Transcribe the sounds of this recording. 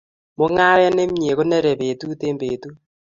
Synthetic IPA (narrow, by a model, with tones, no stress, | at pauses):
mo˦ŋa˦ɾɛ˦ne˦m˦ɲe˨ɣo˦ne˦ɾe˨βe˨tu˦te˦mbe˨tu˦